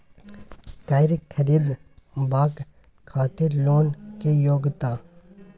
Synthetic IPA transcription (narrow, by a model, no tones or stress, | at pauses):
kaːɪɾkʰːəɾiːd̪baːk | kʰːaːt̪ɪɾloːnkejoːɡt̪aː